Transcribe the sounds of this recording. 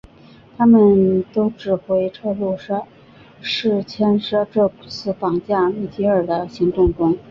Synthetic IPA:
t̪ʰa˥mə˨nt̪o˥ʊʈ͡ʂɻ̩˨˩xwe˧˥ɪʈ͡ʂʰɤ˥˧lu˥˩ʂa˥ | ʂɻ̩˥˩t͡ɕʰjɛ˥nʂa˥ʈ͡ʂɤ˥˩˨t͡sʰɹ̩˥˩fɑ˨˩ŋt͡ɕja˥˧mi˥˩t͡ɕi˥ə˞˨˩d̪ə˦ɕi˧˥ŋt̪ʊ˥˩ŋʈ͡ʂʊ˥ŋ

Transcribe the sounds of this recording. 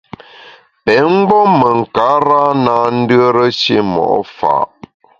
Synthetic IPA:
pɛ˨˦ŋ͡m̩˦ɡ͡bɔ˦mə˨ŋ̩˨ka˨˦ɾa˦na˨n̩˦də˦ɾə˦ʃe˦mɔ̰˨ʔɔ˦fa̰ː˨ʔ

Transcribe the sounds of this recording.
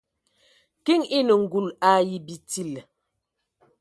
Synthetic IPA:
ki˦ŋi˦nə˨ŋ̩˨ɡu˨la˦ji˨bi˨ti˦˨l

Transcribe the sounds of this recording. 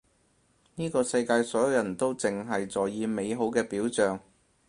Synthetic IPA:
niː˥kɔː˧sɐ˧jkaː˧jsɔː˨˥jɐ˨˧wjɐ˨˩nt̪o˥wt͡sɪ˨ŋɦɐ˨jt͡sɔː˨˩jjiː˨˧me˨˧jɦo˨˥wkɛː˧piː˨˥wt͡sœː˨ŋ

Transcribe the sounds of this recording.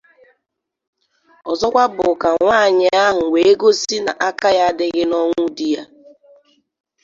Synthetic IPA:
ɔ˨zɔ˦kʷa˦bʊ˨ka˨ŋʷaː˦˨ɲɪ˨a˦ɦʊ˨we˨e˦ɡo˦si˦na̰˨ʔa˦ka˦ja˦dɪ˦ɣɪ˦nɔ˦ŋʷu˦di˦ja˦

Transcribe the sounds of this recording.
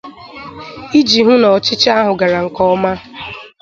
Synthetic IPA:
i˦d͡ʒi˨ɦʊ˦nɔ˨t͡ʃɪ˦t͡ʃa˦ɦʊ˨ɡa˨ɾa˨ŋ̩˨kɔ˦ma˦

